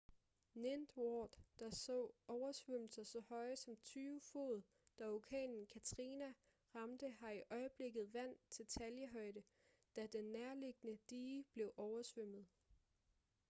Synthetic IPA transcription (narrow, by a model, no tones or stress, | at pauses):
nend̥wɒːd̥ːɑ̈sɔ̰ːɒʊɐsʋøm̰l̩sɐsɒ̽hɒ̽ɪsɒ̽mt͡sʰyːfo̝̰ð̞̩ˠ | d̥ɑokʰɛ̰ːnn̩kʰæt͡sʰʁinæ | ʁɑ̈md̥əhɑ̈iʔɒ̽ɪəb̥le̝ɡ̥ð̞̩ˠʋæn̰t͡sʰe̝lt͡sʰæljəɦɒ̽ɪd̥ə | d̥æd̥enːæɐle̝ɡ̥ənəd̥iːb̥le̝ʊʔɒʊɐsʋøm̰ð̞̩ˠ